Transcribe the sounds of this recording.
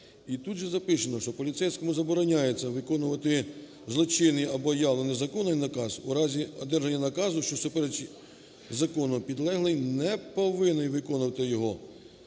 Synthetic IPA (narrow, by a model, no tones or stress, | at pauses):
it̪ut̪ʒɛzɐpɪt͡ʃenɔʃt͡ʃɔpɔlʲit̪sɛjsʲkɔmʊzɐbɔɾɔnʲajet͡sʲːɐʋɪkɔnʊʋɐt̪ɪ | zlˠɔt͡ʃɪnɪɐbɔjɑlˠɔnɪzɐkɔnɐjnɐkɑzuɾɑzʲiɔ̰d̪ɛrʒɐnʲːɐnɐkɑzʊʃt͡ʃɔsʊpeɾɛt͡ʃ | zɐkɔnʊpʲid̪lˠɛɦlˠɪjnɛpɔʋɪnɪjʋɪkɔnʊʋɐt̪ɪjɔɦɔ